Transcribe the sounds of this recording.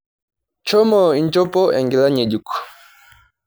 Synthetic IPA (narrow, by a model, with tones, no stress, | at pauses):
t͡ʃɔ˦mɔ˨i˦˨nd͡ʒɔ˦pɔ˦ʔɛ̰˨ŋɡɛ˨la˦ɲɛ˨ɟu˨kɔ̥˨